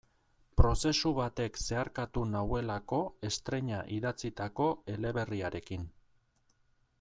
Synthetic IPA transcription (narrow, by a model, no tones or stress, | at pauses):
pɾo̞se̞suβat̪e̞kse̞aɾkat̪unawe̞lako̞e̞st̪ɾe̞ɲaʔiðat͡sit̪ako̞e̞le̞βe̞riaɾe̞kin